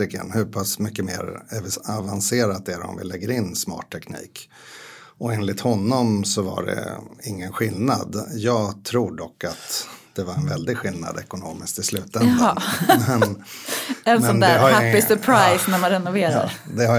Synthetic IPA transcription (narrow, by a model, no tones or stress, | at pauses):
ɪkə̰nhɵpʰasmʏkːəmḛːɾɛvavanseːɾat̪̚ɛɾɔ̰mvɪ̰lːɛɡːəɾɪnːsmɑ̰ːʈʰːɛknḭːk | ɔeːnlɪt̪hɔnːɔmsɔva̰ɖɛ̰ɪŋːənɧɪlnad̪jɑːɡt̪ʰɾuːɖɔkːat̪d̪̥ɛvaɾɛnvɛld̪ɪɡɧɪlna̰d̪ɛkʊnoːmɪsk̚t̪ɪslʉ̟ːt̪ɛnɛn | ɛnmɛɔnd̪æɛɾhajapːɪsɵpʰɾajsnæɾmanɾɛnʊveːɾa̰ɾd̪ɛha